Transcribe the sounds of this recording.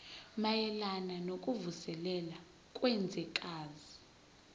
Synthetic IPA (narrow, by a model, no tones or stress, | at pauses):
majɛlananokʼuvusɛlɛla | kʼwɛnd͡zʱɛkʼaːzi